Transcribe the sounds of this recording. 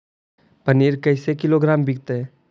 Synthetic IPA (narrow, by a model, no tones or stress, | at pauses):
pɐniːɾkɐɪsekɪloɡɾaːmbɪk̚t̪eɦɛː